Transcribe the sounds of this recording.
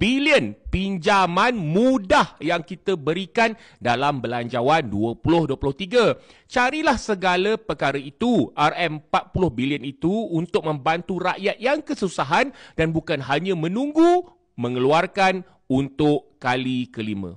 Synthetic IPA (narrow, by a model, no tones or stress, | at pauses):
b̥iliənpiɲd͡ʒamanmudahjaŋkit̪əbəɾikan | dalambəlaɲd͡ʒawanduəpulʊhduəpulʊht̪iɡa | t͡ʃaɾilahsəɡaləpəkaɾəit̪uʔarɛmpat̪̚pulʊhbiliənit̪uːnt̪ʊk̚mə̃mbant̪uraʔjat̪̚jaŋkəsusaɦandanbukanɦaɲə̃mə̃nũŋɡu | mə̃ŋəluarkan | unt̪ʊʔkalikəlimə̰̃